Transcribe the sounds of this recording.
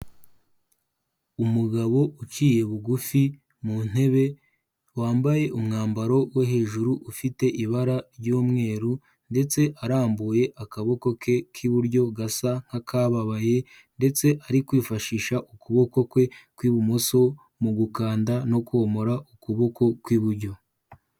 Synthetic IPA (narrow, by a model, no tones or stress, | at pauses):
umuɡaβo̞ʔut͡ʃiːje̞βuɡufi | mun̥he̞βe̞ | waːmbaje̞ʔumŋaːmbaɾo̞woɦe̞ːʒuɾuʔufite̞ʔiβaɾaɾɟuːmŋe̞ːɾu | nde̞t͡se̞ʔaɾaːmbuje̞ʔakaβo̞ko̞ke̞kʰiβuɾɟo̞ɡasaŋ̥hakʰaβaβaje̞ | nde̞t͡se̞ʔaɾikwiːfaʃiːʃaʔukuβo̞ko̞kwe̞kwiβumoso̞ | muɡukaːndano̞kwo̞ːmo̞ɾaukuβo̞ko̞kwiβuɾɟo̞